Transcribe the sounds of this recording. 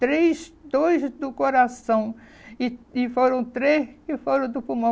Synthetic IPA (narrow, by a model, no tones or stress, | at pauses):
t̪ɾezd̪ojzd̪ʊkoɾasɐ̃w̃ | ɪɪfoɾɐ̃w̃t̪ɾeʃɪfoɾɐ̃w̃d̪ʊpumõ